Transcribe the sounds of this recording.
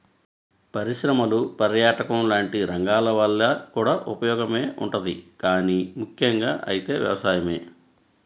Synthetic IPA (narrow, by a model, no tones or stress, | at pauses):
pɐɾiʃɾɐmɐlupɐɾjaːʈɐkɐmlaːɳʈiɾɐŋɡaːlɐʋɐɭːɐkuːɽaːʔupɐjɔːɡɐme̞ːʔṵɳʈɐd̪ikaːnimukʰjɐŋɡa̰ːʔɐjit̪e̞ːʋjɐ̰ʋɐsaːjɐme̞̰ː